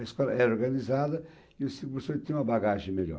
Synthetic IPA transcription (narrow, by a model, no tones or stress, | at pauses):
ɐʃkɔlˠɐʔɛoɾɣɐnizaðɐ | iesĩkupeɾsõt̪ẽũmɐbaɣaʒẽj̃meʎɔ̰